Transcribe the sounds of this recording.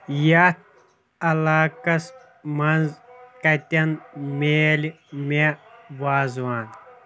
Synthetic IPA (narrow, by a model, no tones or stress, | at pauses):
ja | ɐlaːkɐs | mɐnzkɐt̪ʲɐnmeːli | meʋaːzwaːn